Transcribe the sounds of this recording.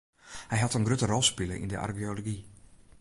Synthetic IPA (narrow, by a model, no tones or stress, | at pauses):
hɛjɦatənɡrøtərɔlˠspɪləʔḭndəʔa̰rkioloɡi